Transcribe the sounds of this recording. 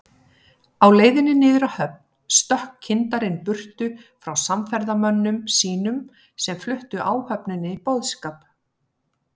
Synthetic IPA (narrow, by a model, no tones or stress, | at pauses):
awleːjðɪnːɪnɪːðʏɾahœp̚n | st̪œhkʰɪnt̪aɾɪnpʏr̥t̪ʏfɾawsamfɛɾðamœnːʏmsiːnʏm | sɛmflʏht̪ʏʔaːwhœpnʏnːɪipɔwðskaːp